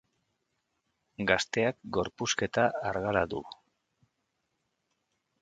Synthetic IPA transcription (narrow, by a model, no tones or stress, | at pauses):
ɡast̪e̞akɡo̞ɾpuske̞t̪aaɾɣalaðṵ